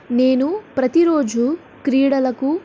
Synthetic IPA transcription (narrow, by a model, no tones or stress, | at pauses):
ne̞ːnupɾɐt̪iɾo̞ːd͡ʒu | kɾiːɽɐlɐku